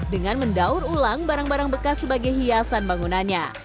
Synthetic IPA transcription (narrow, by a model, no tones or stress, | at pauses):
dəŋanməndauɾulaŋbaɾaŋbaɾaŋbəkasːəbaɡajɦiasanbaŋunanɲa